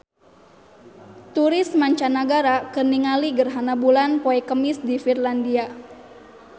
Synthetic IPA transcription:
t̪uɾɪsmaɲt͡ʃanaɡaɾakərniŋaliɡərɦanabulanpɔɛkəmisdifirlandia

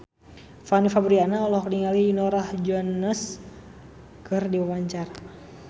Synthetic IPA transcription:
fanifabɾianaɔlɔkdiŋalinɔɾahd͡ʒɔnəs | kɨrdiwawaɲt͡ʃara

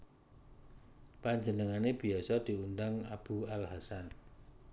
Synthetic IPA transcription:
paɲd͡ʒənəŋaneb̥i̤asɔd̪̥i̤und̪aŋab̥ualɦasan

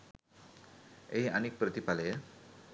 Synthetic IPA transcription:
eɦianik̚prʌt̪ipalej

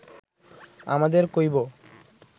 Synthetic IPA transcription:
a̰mad̪eɾkojbo

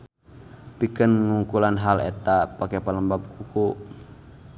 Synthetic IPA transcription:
pikənŋuŋkulanɦalɛ̰t̪apakɛpaləmbap̚kʰuku

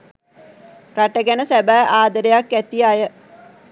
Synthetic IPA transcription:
raʈəɡænəsæbæːʔaːd̪əɾejakːæt̪iajə

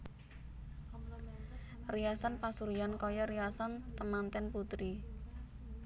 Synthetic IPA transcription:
riasanpasuɾijankɔjɔɾijasant̪əmant̪ɛnput̪ɾi

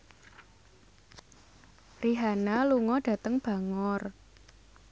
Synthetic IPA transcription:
riɦanaluŋɔɖ̥ä̤t̪əŋb̥ä̤ŋɔr

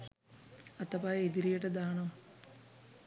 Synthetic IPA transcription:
ɐt̪ːɐpaːjɐid̪iɾijeʈːɐd̪aːɳɐm

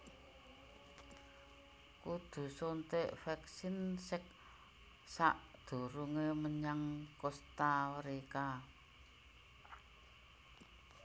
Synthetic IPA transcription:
kud̪̥ṳsont̪eʔfɛksinsɪk̚ | sa̰ʔd̪̥o̤ɾuŋeməɲaŋkost̪awəɾeka

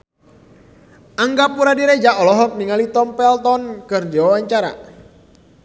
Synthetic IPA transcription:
aŋɡapuɾadiɾɛd͡ʒaʔɔlɔɦɔk̚niŋalit̪ɔmpɛlt̪ɔnkɨrdiwawaɲt͡ʃaɾa̰

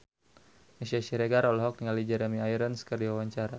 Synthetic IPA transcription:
miʃaʃiɾɛɡaɾɔlɔɦɔk̚niŋalid͡ʒɛɾamiaiɾənskərdiwawaɲt͡ʃaɾa

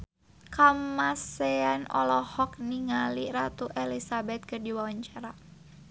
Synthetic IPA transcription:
kamaseanɔ̰lɔhɔk̚niŋalirat̪uʔelisabɛt̪̚kərdiwawaɲt͡ʃaɾa

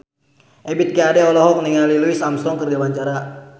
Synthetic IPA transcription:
ʔɛbit̪̚keadɛɔlɔɦɔk̚niŋaliluisamsɔŋkərd͡ʒawaɲt͡ʃaɾa

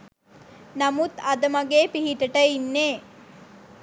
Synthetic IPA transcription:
nɐmut̪ɐd̪əmɐɡeːpiɦit̪əʈəinːeː

